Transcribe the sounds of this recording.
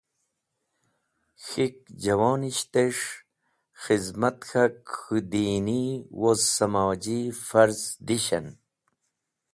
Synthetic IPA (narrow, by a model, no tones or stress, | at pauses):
xik̚d͡ʑɐwoːniɕt̪eʂ | xizmɐt̪xakxud̪iːniwozsɐmaːd͡ʑifɐɾzd̪iɕɐn